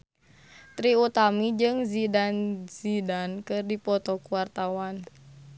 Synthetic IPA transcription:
t̪ɾiut̪amid͡ʒɨŋzidanzidankɨrdipɔt̪ɔkuwart̪awan

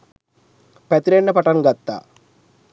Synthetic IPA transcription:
pɐt̪ɾeɳːɐpɐʈɐnɡɐt̪ːa̰

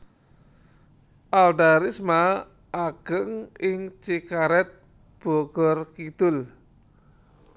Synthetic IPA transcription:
ʔalɖaɾisma | ʔaɡ̥əŋɪŋt͡ʃikaɾɛt̪̚ | b̥ɔɡ̥ɔrkid̪̥ʊl

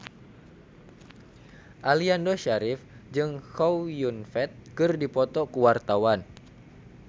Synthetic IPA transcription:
ʔaliandoʃaɾɪfd͡ʒɨŋkowjunfɛt̪̚kɨrdipɔt̪ɔkəwart̪awan

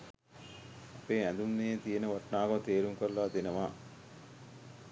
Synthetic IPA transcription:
ɐpeːænd̪unːejet̪ijenəʋaʈnaːɡot̪eːɾuŋkoɾlaːd̪enəʋaː

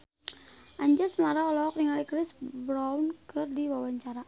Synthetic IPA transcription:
ʔaɲd͡ʒasmaɾaɔlɔk̚niŋalikɾɪsbɾawnkɨrdiwawaɲt͡ʃaɾa

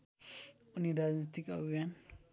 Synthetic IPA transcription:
uniɾad͡ʒnit̪ikəbʱijan

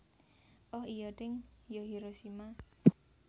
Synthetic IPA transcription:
ʔɔhijɔʈɪŋjɔɦiɾosima

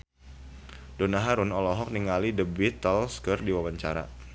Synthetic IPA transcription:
donaɦaɾʊnɔlɔɦɔk̚niŋalidəbit̪ːɔlskərdiwabaɲt͡ʃa̰ɾa̰

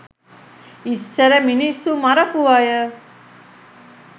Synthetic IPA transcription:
isːəɾəminisːumaɾəpuʋajə

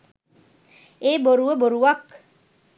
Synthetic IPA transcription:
eːboɾuʋəboɾuʋak

